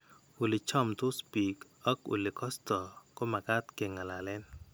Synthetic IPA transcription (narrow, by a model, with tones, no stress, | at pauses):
u˨lɪ˨t͡ʃɔ˦mtʊ˦spi˨k | ɔ˦kṵ˨lɪ˨kɔ˦stɔ˨ko˦ma˨ka˦tke˨ŋa˨la˨lɛ˦n